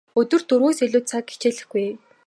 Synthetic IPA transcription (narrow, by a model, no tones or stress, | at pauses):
ɵt̪ɵ̆rt̪uɾɣoːseɮʊːt̪t͡sʰakit͡ɕeːɮɘ̆xɡuj